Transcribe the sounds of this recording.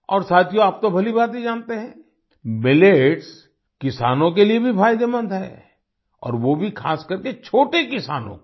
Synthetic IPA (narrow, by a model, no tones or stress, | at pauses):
ɔːɾsaːt̪ʰijõaːp̚t̪obʱɐlibaːt̪id͡ʒãːnt̪eɦɛ̃ː | mɪleːʈs | kɪsaːnõk̬eliebʱifʰaːɪd̪emɐ̃nd̪ɦɛ̰ː | ɔ̰ːɾʋobʱikʰaːskɐɾket͡ʃʰoːʈekɪsaːnõ̰